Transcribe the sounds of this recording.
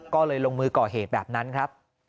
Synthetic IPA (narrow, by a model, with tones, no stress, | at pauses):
kɔː˥˩lɤː˧jlo˧ŋmɯː˧kɔː˨˩ɦeː˨˩t̪̚bɛː˨˩p̚na˦˥nkʰɾa˦˥p̚